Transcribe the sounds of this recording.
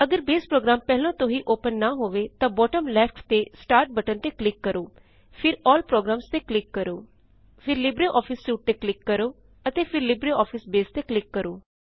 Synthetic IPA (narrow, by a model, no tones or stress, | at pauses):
əɡəɾbeːspɾoːɡɾaːmpɛːɦlãːt̪õɦiːʔoːpənːaːɦoːʋeːt̪ãːbɔːʈəmlɛːpʰʈʰt̪eːsʈaːɾʈ̚bəʈənt̪eːklɪkːəɾoː | pʰɪɾɔːlpɾoːɡɾaːmst̪eːklɪkːəɾoː | pʰɪɾlɪbɾeːʔɔːpʰɪsːuːʈ̚t̪eːklɪkːəɾoː | ət̪eːpʰɪɾlɪbɾeːɔːpʰɪsbeːst̪eːklɪkːəɾoː